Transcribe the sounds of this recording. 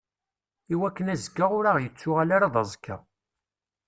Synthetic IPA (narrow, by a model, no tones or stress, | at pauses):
iwækːənæzkːaʁʊɾaʁjət͡sːʊʁalaɾaðˤɑzˤkʰːa̰